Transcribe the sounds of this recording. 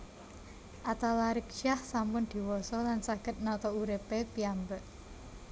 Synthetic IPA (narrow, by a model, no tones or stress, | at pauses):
ʔat̪alaɾɪkʃahsampʊnd̪̥i̤wɔsɔlansaɡ̥ə̤t̪̚nɔt̪ɔuɾepepiambəʔ